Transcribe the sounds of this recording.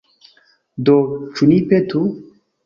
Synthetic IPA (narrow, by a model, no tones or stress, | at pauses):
d̪ot͡ʃunipet̪u